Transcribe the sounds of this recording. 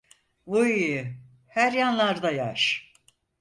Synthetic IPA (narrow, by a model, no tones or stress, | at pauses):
uj | hæɾjanlˠaɾd̪ajaʃ